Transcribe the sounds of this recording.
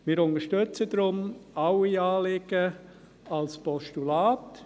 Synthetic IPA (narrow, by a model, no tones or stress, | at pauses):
mɪːɾʊntəʃtʏt͡səd̥ɾʊmaʊiɑːlɪɡ̥ə | ɑlspɔʃtulaːt